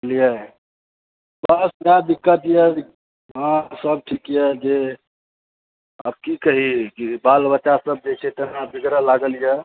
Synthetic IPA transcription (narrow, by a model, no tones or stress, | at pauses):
lijə | bəsjad̪ikːət̪jə | ɦãsəb̚ʈʰikjəd͡ʒe | ə̰b̚kikəɦikibalbəːt͡ʃasəb̚d͡ʒet͡ʃʰɛt̪ənabʱiɡɾəlaɡəljə